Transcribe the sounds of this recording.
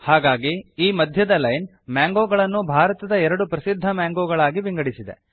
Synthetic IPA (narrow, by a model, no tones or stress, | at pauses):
haːɡaːɡiiːmɐd̪ʱjɐd̪ɐlɐjn | mjaːŋɡoːɡɐɭɐnːubʱaːɾɐt̪ɐd̪ɐɛɾɐɽupɾɐsid̪ʱːɐmaːŋɡoːɡɐɭaːɡibiŋɡɐɽisid̪e̞̰